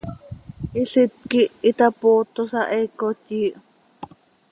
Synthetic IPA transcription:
ʔiɬɪt̪̚kiʔit̪apoːt̪osɑʔekot̪jiːʔ

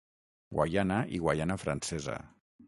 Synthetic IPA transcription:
ɡwajanaʔiɣwajanafɾansɛza̰

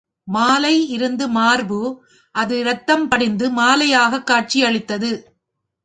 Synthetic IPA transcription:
maːlɐɪɪɾɯnd̪ɯmaːɾbɯ | ʔɐðɯɾɐt̪ːɐmpɐɽɪnd̪ɯmaːlɐjaːɣɐkːaːʈ̚t͡ʃijɐɭɪt̪ːɐðɯ

